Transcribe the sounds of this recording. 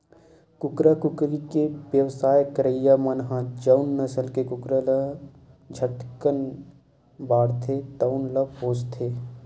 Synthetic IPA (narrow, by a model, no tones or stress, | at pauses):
kʊkɾəkʊkɾikeʋjəwsaːjkəɾəjamənɦãd͡ʒəʊnːəsəlkekʊkɾələ | d͡ʒʱəʈkən | baːɽt̪ʰet̪əʊnləpoːt͡ʃt̪ʰeː